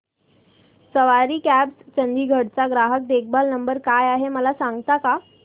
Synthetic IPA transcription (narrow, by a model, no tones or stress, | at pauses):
səʋaɾiːkæbst͡ɕənd̪iːɡʱəɽt͡saɡɾaɦək̚d̪ek̚ʰbalnəmbəɾkajaɦeməlasãŋɡt̪aka